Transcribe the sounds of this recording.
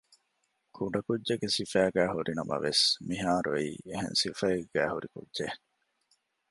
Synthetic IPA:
kʰuɖɐkudːeɡesifæːɡæːɦuɾinɐmʔɐ̰ʋesmiɦaːɾuiːeɦḛ̃nsifɐeɡæːhuɾikṵdʒe

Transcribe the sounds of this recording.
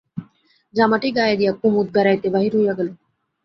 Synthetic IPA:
d͡ʑamaʈeɡajad̪ijakumut̪̚ɡaɾajt̪ebaɦiɾɦujaɡale

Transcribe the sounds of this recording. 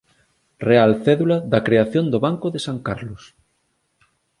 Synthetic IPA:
realθɛðulaðakɾeaθjond̪oβaŋkoðesaŋkaɾlos

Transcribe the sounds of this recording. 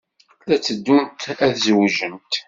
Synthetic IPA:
læt͡sːəd̪ːunt̪æðzwʒənt̪

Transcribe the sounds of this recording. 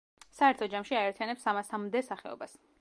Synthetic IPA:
saɛɾt̪ʰɔd͡ʒamʃiaɛɾt̪ʰijanɛpsamasamd̪ɛsaχɛɔ̰bas

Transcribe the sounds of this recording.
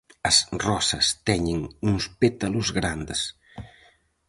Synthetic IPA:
ɐsrɔsɐst̪ɛɲeŋuŋspet̪ɐluzɣɾand̪es

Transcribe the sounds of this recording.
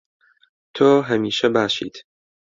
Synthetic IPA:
t̪ʰoːɦæmiːʃɛbaːʃḭːt̪ʰ

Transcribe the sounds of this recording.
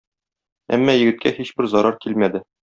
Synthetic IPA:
æ̰mːɑjɘ̆ɡɘ̆t̪̚kʰæhiɕbɘɾzɒɾɑɾkilmæd̪ɘ

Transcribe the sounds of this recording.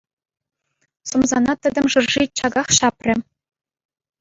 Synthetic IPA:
sumzɑnɑt̪ɘ̆d̪ʲɘ̆mʐɤ̆rʐit͡ɕɑɡɑχɕɑprʲɘ̆

